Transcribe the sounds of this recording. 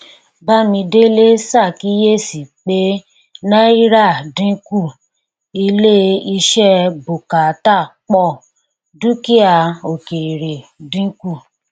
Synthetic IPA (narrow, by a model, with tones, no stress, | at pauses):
ba˦mĩ˧de˦le˦sa˦˨ki˨˦je˦si˨k͡pe˨˦ | nã˦i˦ɾa˦˨dĩ˨˦ku˦˨ | i˧le˦i˧ʃɛ˦bo˨ka˨˦ta˦˨k͡pɔ˦˨ | dũ˦ki˦a˧o˨ke˨ɾe˨dĩ˨˦ku˦˨